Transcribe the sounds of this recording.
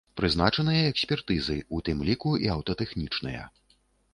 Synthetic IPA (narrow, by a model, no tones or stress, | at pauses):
pɾɨznat͡ʂɐnɨjɐɛksʲpʲɛrt̪ɨzɨut̪ɨmlʲikuiɐwt̪ɐt̪ɛxnʲit͡ʂnɨjɐ̰